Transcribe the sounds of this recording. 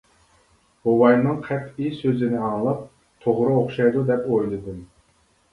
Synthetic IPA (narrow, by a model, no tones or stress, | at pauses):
howɑjnɨŋqʰɛt̪isøzɪnɪɑŋlˠɑp̚ | t̪ʰoʁɾɨoχʃɑjd̪ud̪ɛpojlˠɨd̪ɨm